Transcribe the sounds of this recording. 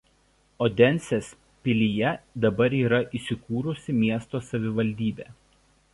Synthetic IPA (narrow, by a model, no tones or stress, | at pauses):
oːd̪ʲɛnʲˑsʲes | pʲɪlʲijɛd̪ɐbɐɾiːɾɐʔisʲɪkuːɾʊsʲɪmʲiɛst̪oːsɐʋʲɪʋɐlʲd̪ʲiːbʲeː